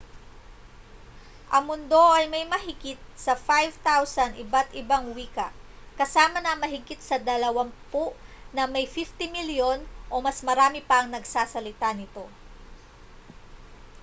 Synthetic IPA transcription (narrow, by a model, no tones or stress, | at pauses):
ʔɐŋmʊnd̪o̞ʔɐjmɐjmɐɦɪɡɪt̪̚sɐfajvt̪awsɐnʔɪbat̪ʔɪbaŋwiːkɐʔ | kɐsaːmɐnɐmɐɦɪɡɪt̪̚sɐd̪ɐlɐwaŋpʊʔnɐmɐjfift̪ɪmiljo̞nʔo̞mɐsmɐɾaːmɪpɐɐŋnɐɡsaːsɐlɪt̪anɪt̪o̞